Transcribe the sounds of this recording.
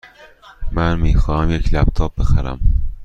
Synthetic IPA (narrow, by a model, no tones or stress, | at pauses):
mænmiːxɒːhæmjecʰlæb̚t̪ʰɒːb̚be̞xæɾæ̰m